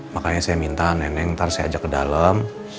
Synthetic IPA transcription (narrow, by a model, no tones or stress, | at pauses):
makaɲasajamint̪anɛnɛŋt̪aɾsaja̰d͡ʒakːəda̰ləm